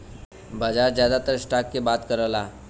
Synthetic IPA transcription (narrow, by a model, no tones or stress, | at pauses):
bad͡zaɾd͡ʑjad̪at̪əɾsʈakːebat̪kəɾəla